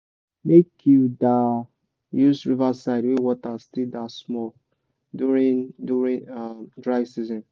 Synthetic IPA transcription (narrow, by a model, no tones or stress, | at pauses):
mekʰjuda | juzɹivasaɪdwewɔtastidasmɔl | duɹĩnduɹĩnadɹaɪsizɔ̃n